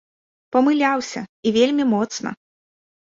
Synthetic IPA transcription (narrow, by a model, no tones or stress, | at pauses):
pɐmɨlʲawsʲɐivʲelʲmʲimɔt̪snɐ̰